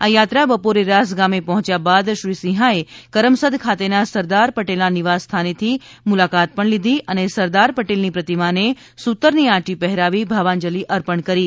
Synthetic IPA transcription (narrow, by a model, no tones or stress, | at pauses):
ajat̪ɾabəpoɾeɾas̬ɡamepɔɦt͡ʃjabad̪ʃɾisĩɦaekəɾəmsəd̪ʱkʰat̪enasəɾd̪aɾpəʈelnaniʋasːt̪ʰanet̪ʰimulakat̪̚pəɳlid̪ʱiʔənesəɾd̪aɾpəʈelnipɾət̪imane | sut̪əɾniãʈipɛɦɾaʋibʱaʋand͡ʒəliʔəɾpəɳkəɾi